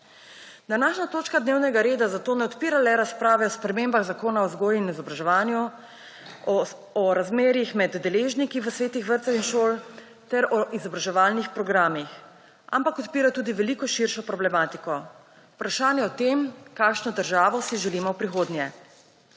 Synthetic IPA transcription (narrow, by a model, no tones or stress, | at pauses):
d̪anaːʃnat̪oːt͡ʃkad̪neːwnɛɡaɾeːd̪azat̪oːnɛɔt̪piːɾalɛɾaspɾaːʋɛɔspɾɛmeːmbaɣzakoːnaɔzɡoːjuinizɔbɾaʒɛʋaːnju | ɔɾazmeːɾjixmɛd̪ːɛleːʒnikiʋəsʋeːt̪ixʋəɾt̪sɛwinʃoːl | t̪ɛɾɔʔizɔbɾaʒɛʋaːlnixpɾɔɡɾaːmix | ʔa̰mpakɔt̪piːɾat̪uːd̪iʋɛliːkɔʃiɾʃɔpɾɔblɛmaːt̪ikɔ | upɾaʃaːnjɛɔt̪emkaːkʃnɔd̪əɾʒaːʋɔsiʒɛliːmɔwpɾixoːd̪njɛ